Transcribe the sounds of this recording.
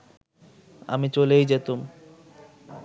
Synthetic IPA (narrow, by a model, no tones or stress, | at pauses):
a̰mit͡ɕolejd͡ʑet̪um